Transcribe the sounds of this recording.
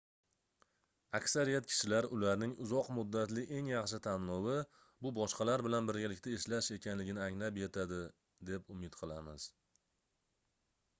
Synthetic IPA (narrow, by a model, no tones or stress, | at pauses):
akʲsaɾijat̪̚kʲʰɪ̥ʃɪlaɾʊlaɾnɪŋʊzɒqmʊd̪ːat̪lɪʔe̞ŋjɑχʃ̬ɪt̪ʰanːɒwɪ | bʊbɒʃqɑlaɾbɪlanbɪɾɡʲalɪkʲt̪ʰaeʃlaʃe̞kʲʰanlɪɡʲɪnɪaŋlapje̞t̪ʰad̪ɪ | d̪e̞pʊmɪt̪qʰɨlˠamɪz̥